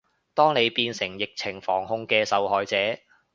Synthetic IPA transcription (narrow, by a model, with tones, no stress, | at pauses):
t̪ɔː˥ŋne˨˧jpiː˧nsɪ˨˩ŋjɪ˨k̚t͡sʰɪ˨˩ŋfɔː˨˩ŋhʊ˧ŋkɛː˧sɐ˨wɦɔː˨˧jt͡sɛː˨˥